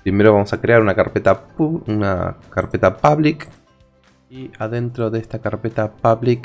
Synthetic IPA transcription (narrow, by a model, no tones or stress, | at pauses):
pɾime̞ɾoβamosakɾeaɾunakaɾpet̪apuuna̰kaɾpe̞t̪apaβlik | iaðe̞nt̪ɾoðest̪akaɾpe̞t̪apaβlik